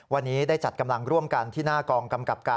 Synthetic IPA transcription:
wa˧nːiː˦˥daː˥˩jt͡ɕa˨˩ka˧mla˧ŋɾu˥˩əmka˧nt̪ʰiː˥˩naː˥˩kɔː˧ŋka˧mka˨˩p̚kaː˧

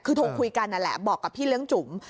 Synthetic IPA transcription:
kʰɯː˧t̪ʰoː˧kʰu˧jka˧nʔa˨˩lɛ̰˨˩bɔː˨˩kːa˨˩p̚p̪ʰiː˥˩lɯ˦˥əŋt͡ɕu˩˦m

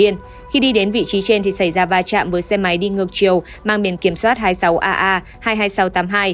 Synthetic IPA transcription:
i˧ən | xi˧ɗi˧ɗe˨˦nvḭ˧˨t͡ɕi˨˦t͡ɕe˧nt̪ʰi˨˩sa˧˩jzaː˧vaː˧t͡ɕa̰ː˧˨mvəː˨˦jsɛ˧ma˨˦jɗi˧ŋɨ˨˩ək̚t͡ɕi˨˩əw | maː˧ŋɓi˧˩ənki˧˩əmswaː˦˥t̚ɦaː˧jsa˨˦wʔaː˧ʔaː˧ | haː˧jɦaː˧jsa˨˦wt̪aː˨˦mɦaː˧j

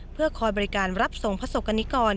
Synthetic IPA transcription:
pʰɯ˥˩ɐkʰɔː˧jbɔ˧ɾi˦kaː˧nɾa˦˥p̚so˨˩˦ŋpʰa˧˥so˨˩kːa˧nːi˦˥kɔː˧n

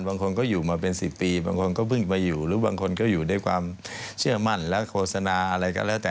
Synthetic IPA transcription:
nbaː˧ŋkʰo˧nkɔː˥˩juː˨˩maː˧pe˧nsi˨˩pːiː˧baː˧ŋkʰo˧nkɔː˥˩pʰɯ˥˩ŋmaː˧juː˨˩ɾɯː˦˥baː˧ŋkʰo˧nkɔː˥˩juː˨˩daː˥˩jkʰwa̰ː˧mt͡ɕʰɯ˥˩ɐma˥˩nlɛ˦˥kʰoː˧˩sa˧naː˧ʔa˧ɾa˧jkɔ̰˧˥˩lɛː˦˥˩t̪ɛː˨˩

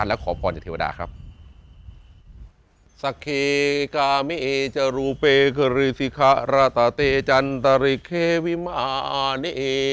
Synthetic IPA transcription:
a˧nlɛ˦˥wkʰɔː˩˦pʰɔː˧nt͡ɕa˨˩t̪ʰeː˧˩aː˧da̰ː˧˩kʰɾa̰˦˥p̚ | sa˧˩kʰːeː˧kaː˧me˦˧˨ʔeː˧t͡ɕa˧ɾuː˧peː˧kʰɯ˧˩ɾi˧si˧˦kʰa˦˥ʔɾa˧˩t̪aː˨˧˦t̪eː˧t͡ɕa˧nt̪a˧ɾi˧˩kʰeː˧˩wi˦˥ma˧ʔa˧ʔaː˧ne˦˧ʔe˧

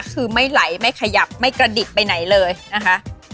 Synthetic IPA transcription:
kʰɯː˧ma˥˩jla˩˦jma˥˩jkʰa˧ja˨˩p̚ma˥˩jkɾa˧di˨˩t̪̚pa˧jna˩˦jlɤː˧jna˦˥kʰa˦˥ʔ

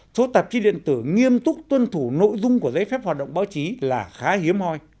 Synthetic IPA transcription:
so˨˦t̪ə˨˩p̚t͡ɕi˨˦ɗḭ˧˨ənt̪ɨ˧˩ŋi˧əmt̪ʊ˦˥k͡p̚t̪wə˧nt̪ʰu˧˩no̰˧˨jzʊ˧ŋ͡mku˧˩əzə˨˦jfɛ˦˥p̚hwaː˨˩ɗə̰˧˨wŋ͡mɓaː˨˦wt͡ɕi˨˦laː˨˩xaː˨˦ɦi˨˦əmhɔ˧j

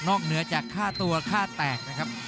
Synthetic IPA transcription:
nɔː˥˩k̚nɯ˦ɐt͡ɕaː˨˩kʰːaː˥˩t̪u˧ɐkʰaː˥˩t̪ɛː˨˩k̚na˦˥kʰɾa˦˥p̚

